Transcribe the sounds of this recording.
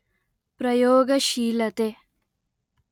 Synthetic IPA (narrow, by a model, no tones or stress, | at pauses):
pɾɐjoːɡɐʃiːlɐt̪e